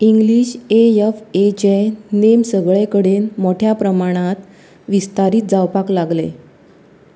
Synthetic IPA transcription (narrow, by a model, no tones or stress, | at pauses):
iŋɡliːɕejefet͡ɕenemsəɡɭekəɽenmoʈʰjapɾəmaɽ̃at̪ | ʋist̪aɾiːt̪̚d͡zawpaklaɡlḛ